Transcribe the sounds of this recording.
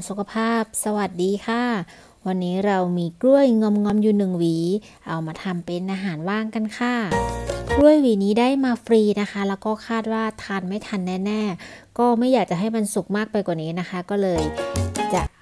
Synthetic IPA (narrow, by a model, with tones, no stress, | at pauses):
nsu˨˩kʰa˧pʰaː˥˩p̚sa˧wa˨˩t̪̚diː˧kʰaː˥˩ | wa˧nːiː˦˥ɾa˧wmiː˧klu˥˩əjŋɔ˧˥mŋɔ˦˥mjuː˨˩nɯ˨˩ŋwiː˩˦ | ʔa˧wmaː˧t̪ʰa˧mpe˧nʔaː˧ɦaː˩˦nwaː˥˩ŋka˧nkʰa˥˩klu˥˩əjwiː˨˦niː˦˥daː˥˩jmaː˧fɾiː˧na˦˥xʰa˦˥lɛː˦˥wkɔː˥˩kʰaː˥˩t̪̚waː˥˩t̪ʰa˧nma˥˩jt̪ʰa˧nːɛː˥˩nɛː˥˩kɔː˥˩ma˥˩jːaː˨˩k̚t͡ɕa˨˩ɦa˥˩jma˧nsu˨˩k̚maː˥˩k̚pa˧jkwa˨˩niː˦˥na˦˥kʰa˦˥kɔː˥˩lɤː˧jt͡ɕa˨˩ʔ